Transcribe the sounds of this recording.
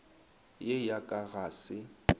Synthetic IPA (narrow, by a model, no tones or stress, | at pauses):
jejakʼaɣaːsɪ